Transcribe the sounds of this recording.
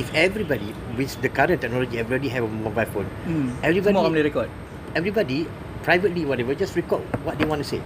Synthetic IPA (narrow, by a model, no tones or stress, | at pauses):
ifɛvɹibɔdi | wiθdəkaɹə̃ntɛk̚nɔlɔd͡ʒiavɹɛliɦɛvəmobajlfõnɛvɹibɔdmɔɔ̃mliɾɛkɔd | ɛvɹibɔdi | pɹajvətliwɔtɛvəd͡ʒasɹɛkɔd̚wɔt̚dewɔ̃ntusḛ